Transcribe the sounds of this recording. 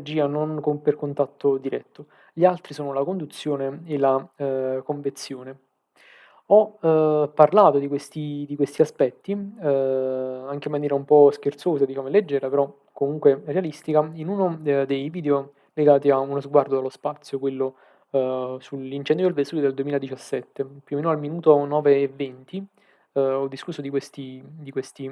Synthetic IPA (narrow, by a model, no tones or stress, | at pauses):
rd͡ʒiːanonkomperkont̪at̪ʰːod̪iɾɛ̰t̪ːo | ʎialt̪ɾisoːnolakond̪ut̪sːjoːneelakoɱvent̪sjoːne | ɔ | pːarlaːt̪od̪ikwest̪id̪ikwest̪iaspɛt̪ːi | aŋkeimːanjɛːɾaumpɔsk̟ert̪soːsad̪it͡ʃaːmoled͡ʒːɛːɾlapeɾɔ | komuŋkwerealist̪ikainunod̪ejviːd̪eo | leɡaːt̪iaunozɡward̪oalːospat̪sːjokwelːo | sulint͡ʃɛnd̪jod̪elvest̪uled̪eld̪uemiːlad̪it͡ʃasːɛt̪ːepjuoːmeːnoalminuːt̪onɔːveːvːent̪i | ɔd̪ːiskusːod̪ikwest̪id̪ikwest̪i